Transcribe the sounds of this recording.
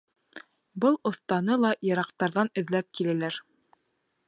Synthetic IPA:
bɤlˠŏθt̪ɑnɤlˠɑjɤ̆ɾɑqt̪ɑɾðɑnɵ̆ðlæp̚kilælæɾ

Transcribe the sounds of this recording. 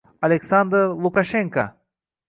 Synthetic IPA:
alʲeksand̪ɾlˠukaʃeŋka

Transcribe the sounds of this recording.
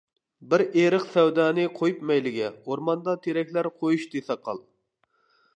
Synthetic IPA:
bɪɾeɾəqsɛwd̪ɑːnɨqʰojupmɛjlɪɡʲɛoɾmɑnd̪ɑt̪ʰeɾɛkʲlæɾqʰojuʃd̪esɑqʰɑ̰lˠ

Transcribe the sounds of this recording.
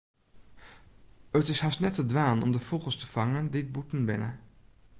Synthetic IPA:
ətɪshasnɛtədʋaːnɔ̰mdəfokəlˠstə̥fɑŋəndɪt̚butən̩bɪ̰nə̰

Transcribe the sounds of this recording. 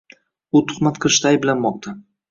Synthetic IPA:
ʊt̪ʰʊ̥χmat̪qʰɨlˠɪʃt̪aːjblanmɒq̚t̪ʰa

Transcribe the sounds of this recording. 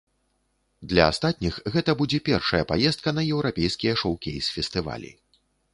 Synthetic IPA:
d̪lʲɐast̪at̪̚ʲnʲixɣɛt̪ɐbud͡zʲɛpʲɛrʂɐjɐpajɛst̪̚kɐnɐjɛwɾapʲejskʲijɐʂɔwkʲḛjsfʲɛst̪ɨva̰lʲḭ

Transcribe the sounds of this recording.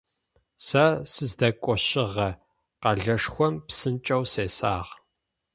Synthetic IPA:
sɐsɨzdɐkʷʼɔɕɪʁɐ | qɐɮɐʂxʷɔmpsɨnt͡ʃʼɐwseːsaːʁ

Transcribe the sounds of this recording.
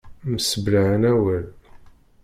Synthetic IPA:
məsəblaʕənæwəl

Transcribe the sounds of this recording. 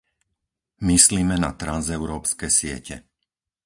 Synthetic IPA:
misliːmɛna̰t̪ɾanzɛʊɾɔːpskɛsɪɛ̰cʰɛ̰

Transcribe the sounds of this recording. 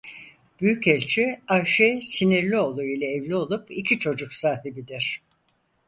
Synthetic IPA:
b̥yjycɛlʲt͡ʃʰiaʃɛsiniɾlʲio̞lˠajɯlʲˠaɛvlʲio̞lˠupicʰit͡ʃʰo̞d͡ʒuksaːhibid̪iɾ̥

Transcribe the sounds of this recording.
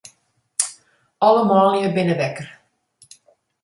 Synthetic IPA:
ɑləmɑːlˠjəbɪnəʋɛkər

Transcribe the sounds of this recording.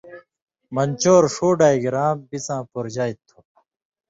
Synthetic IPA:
mɐnt͡ɕoːɾʂoːɖaːiɡiɾaːmbisãːpuɾd͡ʑaːjt̪ʰːu̥

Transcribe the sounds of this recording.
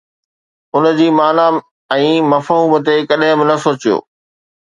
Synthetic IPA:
ʊnə̆d͡ʑiːmaːna | ɛ̃ːmɐfɦɦuːmət̪ekɐɗɦɪ̃bɪnɐsoːt͡ɕijo̰ː

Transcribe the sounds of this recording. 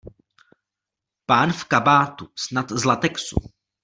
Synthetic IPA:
paːnfkabaːt̪usnat̪zlat̪ɛksṵ

